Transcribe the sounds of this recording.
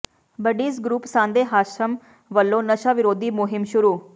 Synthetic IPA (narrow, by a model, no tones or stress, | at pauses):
bəɖiːsɡɾuːpsãːnd̪eːɦaːʃəm | ʋəlːõːnəʃaːʋɪɾoːd̪iːmʊɦɪmʃʊɾuː